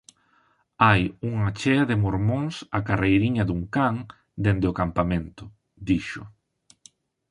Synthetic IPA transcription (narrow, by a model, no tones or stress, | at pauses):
ajuŋɐt͡ʃɛɐðɪmoɾmõŋsakarejɾiɲɐðuŋkaŋ | d̪end̪eʊkampamẽnt̪ʊ | d̪iʃʊ